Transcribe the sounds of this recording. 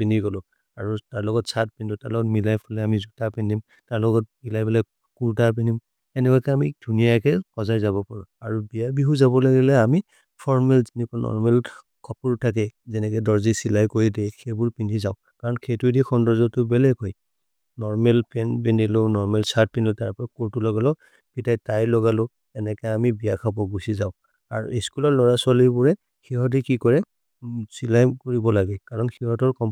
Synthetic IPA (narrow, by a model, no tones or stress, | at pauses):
pindiɡɔlɔ | aɹutaɹlɔɡɔtsat̚pɛndʊtaɹlɔɡɔtmilajpʰɔlɛamizutapɛndim | taɹlɔɡɔt̚milajbɛla | kuɹdaɹp̬indim | ɛnɛkɔkɛamidʱunijakɛkɔzajzaβɔpɔɹɔaɹubijabiɦuzaβɔlaɡɛlɛami | pʰɔɹmɛlzinikɔnɔ̰ɹmɛl | kʰɔpuɹtʰak̬ɛzɛnɛkɛdɔɹzisilajkoɹidɛxʰebʊɹpindizaʊ | kaɹɔnxʰejtudixʰɔndɔɹzɔtʊbɛlɛɡɦɔj | nɔɹmɛlpʰɛnpinilʊnɔɹmɛlsat̚pinilʊtaɹpɔɔkoɹtulɔɡalɔ | pitajtajlɔɡalʊ | ɛnɛkɛamibijakʰabɔɡusizaʊ̃ | a̰ɹeskulɔɹlɔɹasalibuɹɛ | xiɦɔt̬ikikɔɹɛ | silajkoɹibɔlaɡɛkaɹɔnxiɦɔtɔɹkɔm